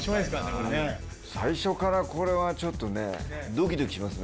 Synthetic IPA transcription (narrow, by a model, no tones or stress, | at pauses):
eska | saiɕo̞kaɾako̞ɾe̞βat͡ɕo̞t̪ːo̞nḛd̪okʲid̪o̞kʲi̥ɕimasɨn